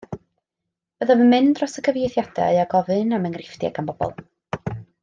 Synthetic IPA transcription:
b̥əðavənmɨndrɔsəkʰəvjejθjadɛ̰aɡɔvɨnaməŋrɪfd̥ja̰ɡanbɔb̥ɔ̰lˠ

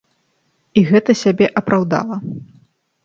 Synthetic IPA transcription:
iɣɛt̪ɐsʲabʲɛʔɐpɾawd̪a̰lˠɐ

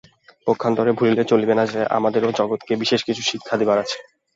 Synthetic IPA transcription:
pokʰːant̪ɔɾebʱulilet͡ɕolibenad͡ʑeʔa̰mad̪eɾod͡ʑɔɡot̪kebiʃeʃkit͡ɕʰuʃikʰːad̪ebaɾat͡ɕʰe̥

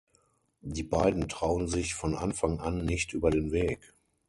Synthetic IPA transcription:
diːbaɪdn̩tʁ̥aʊənzɪçfɔnʔa̰nfaŋʔanːɪçtʔyːbɐdeːnveːk

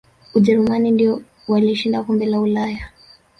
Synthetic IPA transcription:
uʄɛɾumanindiɔ | waliʃindakɔmbɛlaulaja

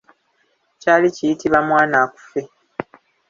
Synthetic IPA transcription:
caːlicijitiβamwaːnaːku̥fe̞

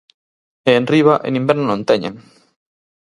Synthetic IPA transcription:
eːnriβ̞aʔḛnĩmbɛɾnonõnt̪ɛɲḛ̃ŋ

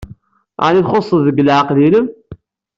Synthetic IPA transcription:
ʕaniθχosˤːəððəɡəlʕaqliləm

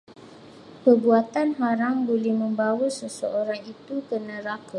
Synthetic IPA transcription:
pəbuat̪anɦaɾaŋbolɛhmə̃mbawusəsəʔoɾaŋit̪ukənə̃ɾaka

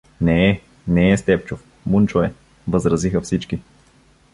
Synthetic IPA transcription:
nɛː | nɛːst̪ɛpt͡ʃʊf | munt͡ʃoɛ | vəzɾɐzixɐfsit͡ʃki

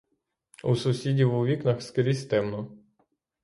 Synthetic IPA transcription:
usʊsʲidʲiwuʋʲiknɐxskɪɾʲisʲt̪ɛmnɔ

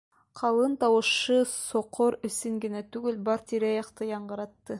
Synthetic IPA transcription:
qʰɑlˠɯnt̪ɑwɤʃɯsoqʰoɾɵsiŋɡinæt̪yɡɘlbɑɾt̪iɾæjɑqt̪ɯjɑɴɢɤ̆ɾɑt̪ːɯ

